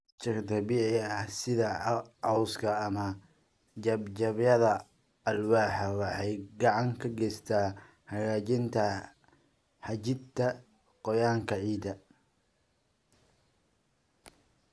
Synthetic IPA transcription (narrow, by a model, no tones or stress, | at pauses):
t͡ʃɐkd̪ɐbiːʕɪɐhsɪðɐʕɑwskʰɐːmɐ | d͡ʒɐbt͡ʃɐβjɐðɐ | ɐlwaːħɐwɑħɑjɡɑʕɑŋkʰɐɡɛjst̪ʰaː | hɐɣaːt͡ʃɪnt̪ʰɐ | ħɑt͡ʃɪd̪t̪ʰɐ | qɔjaːŋkʰɐʕiːd̪ɐ